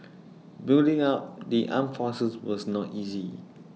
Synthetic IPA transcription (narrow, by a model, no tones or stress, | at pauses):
bildɪ̃ŋap̚diʔã̰mfɔsəswɔsnɔtizi